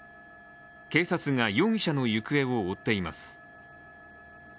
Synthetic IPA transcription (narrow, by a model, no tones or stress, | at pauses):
ke̞ːsat͡sɨŋajõ̞ɰ̃ɕano̞jɯ̟kɯ̟e̞o̞ːt̪ːe̞ima̰sɨ̥